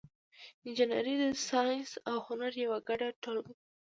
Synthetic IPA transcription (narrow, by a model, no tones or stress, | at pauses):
ɪnd͡ʒana̰ɾid̪əsɑjnsawhʊnaɾjawaɡaɖaʈolɡ